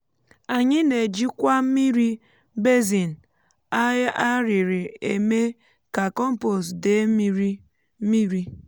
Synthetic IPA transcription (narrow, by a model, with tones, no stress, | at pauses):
a˨ɲɪ˦ne˨d͡ʒi˦kʷa˦mi˦ɾi˦ | be˦zi˨n̩˨ | a˦a˦ɾɪ˨ɾɪ˨ḛ˨me˦ | ka˨kɔ˦m̩˦po˨sde˨˦mi˦ɾi˦ | mi˦ɾi˦